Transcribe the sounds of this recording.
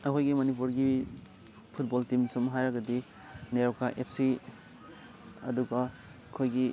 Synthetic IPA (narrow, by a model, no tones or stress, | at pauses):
ɐkʰojɡimɐnip̬uɾɡi | pʰut̚boltimsumɦajɾɐɡɐdi | neɾɔkaʔepʰsi | ɐ̰duɡɐ | kʰojɡi